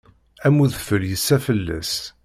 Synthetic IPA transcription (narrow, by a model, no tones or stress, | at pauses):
æmuðfəljəsːæfəlːæ̰s